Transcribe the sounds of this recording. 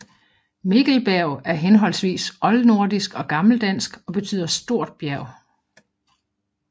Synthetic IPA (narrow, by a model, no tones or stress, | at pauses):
me̝ɡ̥l̩b̥æɐʊæɐɦenɦɒ̽l̰sʋḭːsʔɒ̽lno̝ɐ̰d̥isɡ̥ɒ̽ɡ̥ɑ̈ml̩d̥æn̰sɡ̥ɒ̽b̥e̝t͡sʰy̰ːð̰ˠɐsd̥o̝ɐ̰d̥̚b̥jæɐ̰ʊ